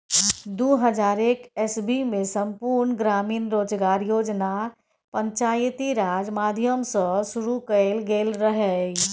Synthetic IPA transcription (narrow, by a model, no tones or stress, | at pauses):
d̪uɦəd͡ʒaːɾekɛsbimẽsəmpuɾnɡɾaːmiːnɾoːd͡ʒɡaːɾjoːd͡ʒna | pəɲt͡ʃaːjt̪iɾaːd͡ʒmaːd̪ʱjəmsə̃suɾukəlɡelɾəɦɛ